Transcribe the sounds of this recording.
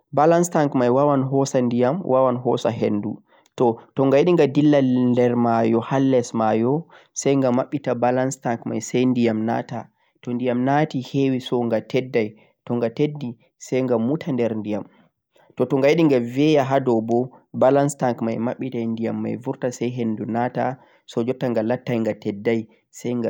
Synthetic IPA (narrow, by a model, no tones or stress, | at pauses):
balanstaŋkmajwawanɦɔsandijamwʔawanɦɔsaɦendu | tɔtɔŋɡajiɗiŋɡadilːalndɛɾmajɔhalːɛsmajɔ | sajŋɡamaɓːitabalanstaŋkmajsajndijamna̰ta | tɔndijamnatihewisɔŋɡatɛdːaj | tɔŋɡatedːi | sɛjŋɡaːutʰandɛɾndijam | tɔtɔŋɡajeɗiŋɡavɛjaɦadɔbɔbalanstaŋkmajmaɓːitandijamːa̰jvuɾtasajɦendunata | sɔd͡ʒɔtːaŋɡalatːajŋɡatɛdːaj | sajŋɡa